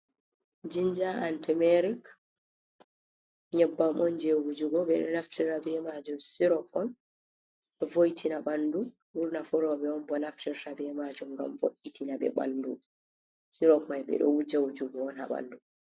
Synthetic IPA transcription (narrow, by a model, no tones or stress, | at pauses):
d͡ʒind͡ʒaantimɛɾik | ɲɛbːamɔnd͡ʒewud͡ʒuɡɔɓɛɗɔ̰naftiɾabɛmad͡ʒumsiɾɔkɔn | ɛvojtʰinaɓandu | wuɾnafuɾɔbɛɔnbɔnaftiɾtabɛmad͡ʒumɡa̰mvoʔːitʰinabɛ̰ɓa̰ndṵ | siɾɔkmajɓɛ̰ɗɔ̰wud͡ʒawud͡ʒuɡɔɔnha̰ɓa̰ndu